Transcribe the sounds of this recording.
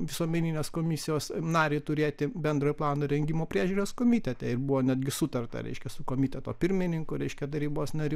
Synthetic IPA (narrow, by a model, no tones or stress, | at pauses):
ʋʲɪsuɔmʲɛnʲiːnʲeːskoːmʲɪsʲɪjoːsnɑːɾʲeːt̪ʊɾʲeːt̪ʲɪbʲɛnd̪ɾoːjplˠɑːnoːɾʲɛŋʲɡʲimoːpʲɾʲiːʒʲuːɾʲoskoːmʲiːtʲɛt̪ʲɛɪrbuʋoːnʲæd̪ʲɡʲɪsʊt̪ɐrt̪ɐ̰ɾʲɛ̰ɪʃʲkʲɛsʊkoːmʲit̪ʲɛt̪oːpʲɪɾʲmʲɪnʲɪŋkʊɾʲɛɪʃʲkʲɛt̪ɐɾʲiːboːsnɐɾʲʊ